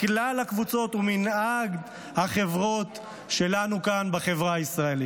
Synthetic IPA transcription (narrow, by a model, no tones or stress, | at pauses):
klalhakvut͡so̞t̪uminaɡd | haχe̞vʁo̞t̪ | ʃe̞lanukanbaχe̞vʁaaisʁae̞li